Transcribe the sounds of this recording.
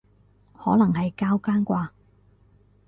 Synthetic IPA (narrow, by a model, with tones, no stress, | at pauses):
hɔː˨˥lɐ˨˩ŋhɐ˨jkaː˥wkaː˥nkʷaː˧